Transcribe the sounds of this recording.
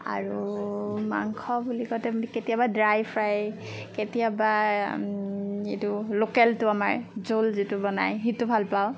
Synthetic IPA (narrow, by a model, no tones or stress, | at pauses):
a̰ɹu | ma̰ŋkʰɔbulikɔjtɛbniketijabadɹajpʰɹaj | ketijaba | etʊlokɛltʊamaɹzolzitʊbɔna̰jɦitʊbʱalpaʊ